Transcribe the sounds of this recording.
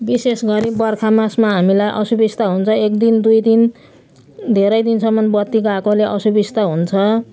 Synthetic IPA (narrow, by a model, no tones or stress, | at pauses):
bisesɡʌɾibʌrkʰamasmaɦamilajʔʌsubist̪aɦunt͡sʰʌekd̪ind̪ujd̪in | d̪ʱeɾʌjd̪insʌmːʌnbʌt̪ːiɡakoleʔʌsubist̪aɦunt͡sʰʌ